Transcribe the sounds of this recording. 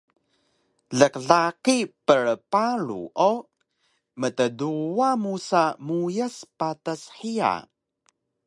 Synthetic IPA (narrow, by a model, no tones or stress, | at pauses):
ɮəkɮakipəɾəpaɾṵʔo | mət̪əduwamusamujəspat̪əsħia̰